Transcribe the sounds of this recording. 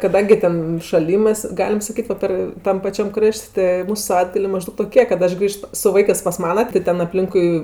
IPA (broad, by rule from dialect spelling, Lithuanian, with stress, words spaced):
kɐˈdɐŋʲɡʲɪ tʲɛn ʃɐˈlʲiːmɜs ˈɡɑːlʲɪm sɐˈkʲiːt ʋɐ ˈpɐr ˈtɐm pɐˈt͡ʃʲɛm ˈkrɐʃʲtʲ tɜ ˈmuːsʊ sɐˈʋɐɪdɡɐlʲeː mɐˈʒdɐʊk toːˈkʲeː kɐt ˈɐʃ ˈɡrʲiːʃt sʊ ˈʋɐɪkɜs pɐs ˈmɑːnɐ tʲɪ ˈtʲɛn ɐpʲˈlʲɪŋkʊɪ